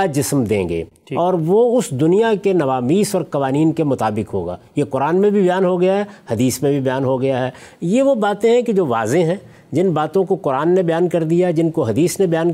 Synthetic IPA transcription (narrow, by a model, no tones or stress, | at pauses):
ad͡ʒɪsmd̪ḛ̃ːɡḛː | ɔːɾʋoʊsd̪ʊnijakenɐʋaːmiːsɔːɾkɐʋaːniːnkemʊt̪aːbɪkɦo̰ːɡa̰ːjeqʊɾaːnmẽbʱibɐjaːnɦoɡɐjaɦɛhɐd̪iːsmẽbʱibɐjaːnɦoɡɐjaɦɛːjeʋobaːt̪ẽɦɛ̃ked͡ʒoːʋa̰ːzeɦɛ̃ː | d͡ʒɪnbaːt̪õkoqʊɾaːnːebɐjaːnkɐɾd̪ijaɛd͡ʒɪnkoɦɐd̪iːsnebɐjaːn